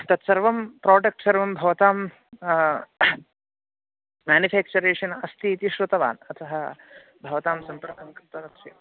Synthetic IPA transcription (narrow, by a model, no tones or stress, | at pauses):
t̪ɐt̪sɐɾʋɐmpɾaːɖɐk̚ʈsɐɾʋɐmbʱɐʋɐt̪aːm | maːnifʰæːk̚t͡ʃuɾeːʂɐnɐst̪iːt̪iʃɾut̪ɐʋa̰ːnɐt̪ʰɐɦɐ | bʱɐʋɐt̪aːmsɐmpɐɾkʰɐmkɾɐt̪ɐʋɐksɐ